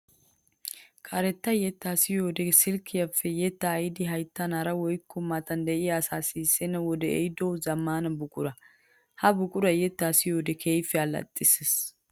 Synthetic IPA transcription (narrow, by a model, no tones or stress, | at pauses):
kʰʼɐɾɛt̪ːɐjɛt̪ːasɪjoːd̪ɛsɪlkʰːɪjɐfːɛjɛt̪ːɐːjɪd̪ɪɦɐjt̪ːɐnɐɾɐwɔjkːɔmat̪ɐnd̪ɛʔɪjasaːsisɛnɐwɔd̪ɛɛ̰jd̪owzɐmːaːnɐbʊkʼʊɾɐ | hɐbʊkʼʊɾɐjɛt̪ːaːsɪjoːd̪ɛkʰejfɛɐlɐ̰t̪ʼːɪses